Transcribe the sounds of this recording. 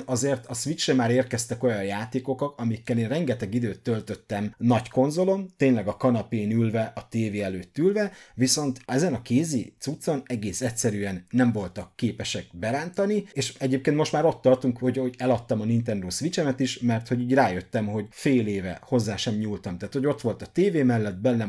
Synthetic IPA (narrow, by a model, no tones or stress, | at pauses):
ɒzeːrt̪ɒsʋit͡ʃrɛmaːɾeːrkɛst̪ɛko̞jɒjjaːt̪eːko̞kɒkɒmikːɛleːnrɛŋɡɛt̪ɛɡid̪øːt̪ːølt̪ø̞t̪ːɛmnɒɟko̞nzo̞lo̞nt̪eːɲlɛɡɒkɒnɒpeːnylvɛʔɒt̪eːveːɛløːt̪ːylvɛviso̞nt̪ɛzɛnɒkeːzḭt̪sut̪so̞nɛɡeːsɛtʲsɛɾyɛnːɛɱvo̞lt̪ɒkːeːpɛʃɛk̚bɛɾaːnt̪ɒnieːʃɛɟeːp̚keːnt̪mo̞ʃt̪maːɾo̞t̪ːɒrt̪uŋkho̞ɟoɟɛlɒt̪ːɒmɒnint̪ɛnd̪oːsʋit͡ʃɛmɛt̪iʃmɛrt̪ho̞ɟiːɟraːjøt̪ːɛmho̞ɟfeːleːvɛ̰ho̞zːaːʃɛmɲuːlt̪ɒmt̪aːt̪ho̞ɟo̞t̪ʋo̞lt̪ɒt̪eːveːmɛlːɛd̪̚bɛnːɛ